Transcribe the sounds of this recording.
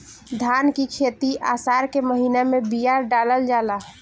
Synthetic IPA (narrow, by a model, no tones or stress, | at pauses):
d̪ʱankikʰet̪iʔa̰saɾkeməɦinamẽbijaɾɖaləld͡ʒala